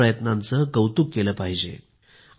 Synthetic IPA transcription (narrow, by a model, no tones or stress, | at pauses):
əjət̪nant͡səɡəwt̪ukːeləpaɦid͡ʑḛ